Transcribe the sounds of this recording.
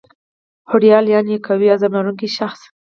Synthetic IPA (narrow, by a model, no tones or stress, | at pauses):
hʊɾjɑljɑnjekʰawiazamnaɾuŋkiʃaxs